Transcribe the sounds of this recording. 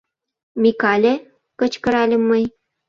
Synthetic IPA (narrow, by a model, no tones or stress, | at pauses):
mʲikɑlʲe | kɤ̆t͡ɕkɤ̆ɾɑlʲə̆mːɤj